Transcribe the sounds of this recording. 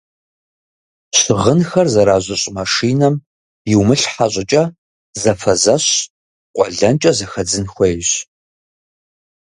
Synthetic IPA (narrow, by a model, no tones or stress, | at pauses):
ɕɪʁənxɐrzɐɾaːʑʷɐɕʼmɐʂiːnɐm | jɪwmɨɬħaɕʼɪt͡ʃʼɐ | zɐfɐzɐɕ | qʷʼɔɮɐnt͡ʃʼɐzɐxɐd͡zɨnxʷɔjɕ